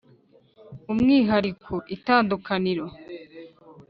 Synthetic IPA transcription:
umŋiːɦaɾikʰuʔitaːndukʰaniɾo̞

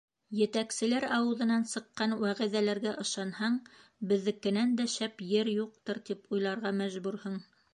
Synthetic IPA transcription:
jɘ̆t̪æksɘ̆læɾɑwɤ̆ðɤ̆nɑnsɤ̆qːɑnwæʁĭðælæɾɡæʔɤ̆ʃɑnhɑɴbɘ̆ðːɘ̆kːɘ̆nænd̪æʃæpjɘɾjuq̚t̪ɤɾt̪ipujlˠɑɾʁɑmæʒbʉɾhɤɴ

